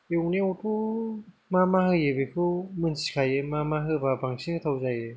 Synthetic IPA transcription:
ewneɔtʰu | mamahɯjebekʰɯmɯnsi̥kʰajɯmamaɦɯbabaŋsʰinɯt̪ʰawzajɯ

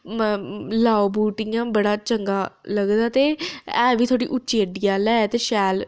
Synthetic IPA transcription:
laːobuːʈijãːbəɽaːt͡ʃəŋɡaːləɡd̪aːt̪eːɛːʋiːt̪ʰoːɽḭːʔʊːt͡ʃeːɖijaːlɛːt̪eːʃɛːl

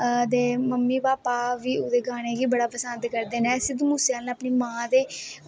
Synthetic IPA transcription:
d̪eːməmːiːbaːpaːʋiːʊd̪eːɡaːɽ̃eːɡiːbəɽaːpəsənd̪kəɾd̪eːnɛ̃ːsɪd̪muːseaːlnãəpniːmãːd̪eː

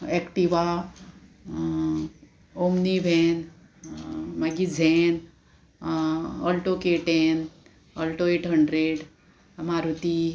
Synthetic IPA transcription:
ekʈiʋa | omnibʱen | mɐɡid͡zʱen | əlʈokeʈen | əlʈoeʈɦəɳɖɾeɖ | maɾut̪i

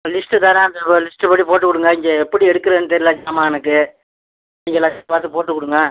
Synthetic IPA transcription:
lɪsʈɯt̪aːɾãːɐnd̪ɐlɪsʈɯpɐʈːipoːʈːɯkʊɽɯŋɡɐɪŋɡɛɛpːɐɽiɛɽɯkːɯɾɐnːɯt̪ɛɾɪlaːd͡ʒaːmaːɛnɐkːɯ | ɪŋɡɐlɐːpaːɾt̪ɯpoːʈːɯkːʊɽɯŋɡɐ

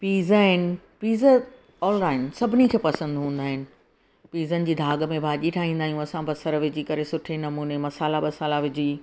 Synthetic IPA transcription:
piːzɦɪnɪ̆ | piːzə | ɔːlɾaːɪnsɐbʱɪnikʰeːpɐsə̃nd̪ɦũːn̆d̪aːɦɪnɪ̆ | piːzənɪ̆d͡ʑiːd̪ʱaːɠəmẽbʱaːʄiʈʰaːɦĩːnd̪aːɦijũɐsãbɐsəɾʋɪd͡ʑikɐɾesʊʈʰenɐmuːnemɐsaːlaɓɐsaːlaʋɪd͡ʑiː

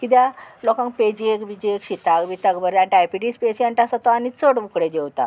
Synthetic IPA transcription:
kit̪jalɔkãŋk̚ped͡ʑiekʋid͡ʑiekɕit̪akʋit̪akbəɾanʈajpiʈispesəɳʈasat̪ɔanit͡səɽʋukɽed͡ʑewt̪a̰

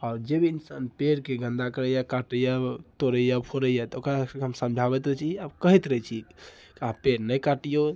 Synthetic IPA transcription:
aːɾd͡ʒebiinsanpeɾkeɡʱə̃nd̪akəɾəjakaʈəjat̪oɾəjapʰoɾəjat̪okɾasəkɦəmsəmd͡ʒʱabɛt̪ət͡ʃʰiabkəɦit̪ɾət͡ʃʰi | kapeɾnəjkaʈijo

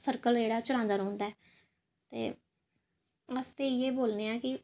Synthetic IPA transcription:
səɾkəld͡ʒeːɽaːt͡ʃʊɾãːnd̪aːɾõːnd̪aːɛː | t̪ḛː | aːst̪eːjeːboːlneːãːkɪ

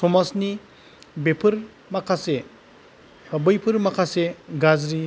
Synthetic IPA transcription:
sɔmasni | bepʰɯɾ | makʰase | hʰabɯjpʰɯɾmakʰaseɡazɾi

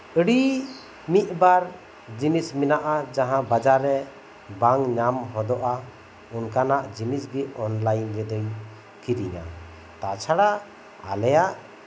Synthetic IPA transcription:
əɽi | miʔ̪̚baɾ | d͡ʒinisminaʔad͡ʒaɦãbad͡ʒaɾɛ | baŋɲamɦɔd̪ɔʔa | unkanaʔd͡ʒinisɡiʔ̚ɔnlajnɾɛd̪ɔj | kiɾiɲa̰ | t̪at͡ʃʰaɽaʔ | a̰lɛjaʔ

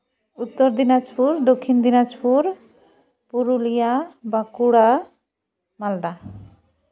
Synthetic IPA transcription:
ut̪ːoɾd̪inad͡ʑpuɾd̪okʰːind̪inad͡ʑpuɾ | puɾulijabakuɽa | mald̪a

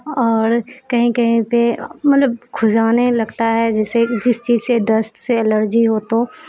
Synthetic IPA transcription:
ɔːɾkɐɦĩkɐɦĩpemɐt̪ləb̚kʰʊzaːnelɐɡt̪aɦɛd͡ʒɛːsed͡ʒɪst͡ʃiːzsed̪ɐsʈseɐləɾd͡ʒiɦoːt̪o

